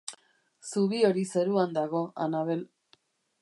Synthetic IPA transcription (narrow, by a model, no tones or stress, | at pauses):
suβio̞ɾise̞ɾuand̪aɣo̞a̰naβ̞e̞l